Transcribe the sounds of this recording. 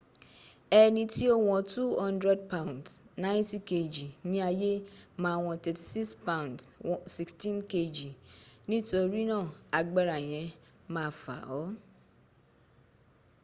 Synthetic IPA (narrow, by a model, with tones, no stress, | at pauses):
ɛ˦nĩ˧ti˦o˦w̃ɔ̃˧tu˦hɔ̃˦ndɾɛ˦d̚pa˦w̃ndsnã˦ti˦ke˨d͡ʒi˨nĩ˦a˧je˦mãː˨˦˨w̃ɔ̃˧tɛ˨ti˨si˦kspa˦ũ˨ndssi˦kstĩ˦nke˦d͡ʒi˨nĩ˦to˧ɾi˦nã˦˨a˨ɡ͡ba˦ɾa˨j̃ɛ̃˨˦ | mãː˦˨fa̰˨ɔ˨˦